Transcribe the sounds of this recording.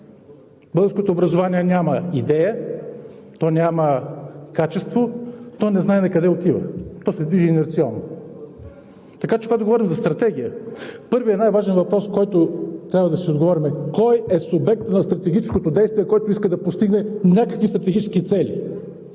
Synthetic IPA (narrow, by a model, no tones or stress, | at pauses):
bɤlˠɡəɾskot̪oːbɾɐzovaniɛnʲamɐid̪ɛjə | t̪ɔnʲaməkat͡ʃɛst̪vot̪ɔnɛznaɛnɐkɐd̪ɛot̪ivə̰t̪ɔsɛd̪viʒiːnɛɾt̪sialˠno | t̪ɐkat͡ʃɛkoɡat̪ʊɡovɔɾimzɐst̪ɾɐt̪ɛɡ̟ijəpɤɾviɛnajvaʒɛnvɐpɾɔskɔjt̪ot̪ɾʲabvəd̪ɐsiod̪ɡovɔɾimɛkɔjɛsʊbɛk̚t̪nɐst̪ɾɐt̪ɛɡʲit͡ʃɛ̥skot̪od̪ɛjst̪viɛkɔjt̪oiskəd̪ɐpost̪iɡnɛnʲakəkvist̪ɾɐt̪ɛɡit͡ʃɛskit̪sɛlʲḭ